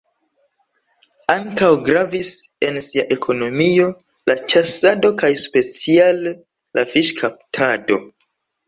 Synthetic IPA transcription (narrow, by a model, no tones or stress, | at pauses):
aŋkawɡɾavis | e̞nsiaʔe̞kʰo̞no̞mio̞ | lat͡ʃasado̞kajspe̞t͡sialː | afiʃkʰap̚tʰado̞